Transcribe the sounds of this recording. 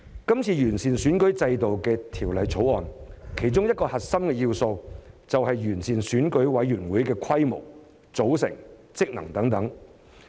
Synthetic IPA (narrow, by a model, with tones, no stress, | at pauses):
kɐ˥mt͡sʰiː˧jyː˨˩nsiː˨˩nsyː˨˥nkɵ˨˥ɥt͡sɐ˧jt̪o˨wkɛː˧t̪ʰiː˨˩wlɐ˨˧jt͡sʰo˨˥wɔː˨nkʰe˨˩jt͡sʊ˥ŋjɐt̚kɔː˧hɐ˨t̚sɐ˥mkɛː˧jiː˧wso˧wt͡sɐ˨wɦɐ˨jɥyː˨˩nsiː˨˩nsyː˨˥nkɵ˨˥ɥwɐ˨˥jɥyː˨˩nwuː˨˥jkɛː˧kʷʰɐ˥jmo˨˩w | t͡so˨˥wsɪ̰˨˩ŋt͡sɪ˥k̚nɐ̰˨˩ŋt̪ɐ˨˥ŋt̪ɐ˨˥ŋ